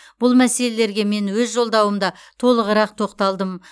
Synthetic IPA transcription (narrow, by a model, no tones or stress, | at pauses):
b̥ʊlˠmæse̞le̞le̞ɾɡʲe̞me̞nwɵzʒo̞lˠd̪ɑwəmd̪ɑt̪ʰo̞lˠəʁəɾɑq̚t̪ʰo̞qt̪ɑlˠd̪əm